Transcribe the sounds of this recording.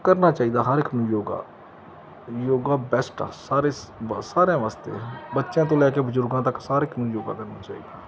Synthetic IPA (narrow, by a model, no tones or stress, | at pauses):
kəɾnaːt͡ʃaːid̪aːɦəɾɪkmjoːɡa̰ː | joːɡaːbɛsʈa̰ːsaːɾesaːɾãʋaːst̪ḛːbətːʃẽːt̪̬õːlɛːkebʊzʊɾɡãːt̪əksaːɾekmʊjoːɡa̰ːkəɾnaːt͡ʃaːiːd̪aː